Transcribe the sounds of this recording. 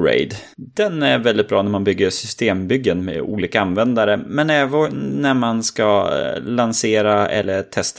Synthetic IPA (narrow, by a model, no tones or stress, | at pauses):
ɾḛɪd̪ | d̪ɛnæɾvɛld̪ɪt̪̚bɾɑːnæɾmanbʏɡːəɾsʏst̪eːmbʏɡ̪ːənmḛṵːliːkaanvɛnd̪aɾəmɛnɛːvənæɾmanskalanseːɾaɛ̰lːət̪ʰɛst̪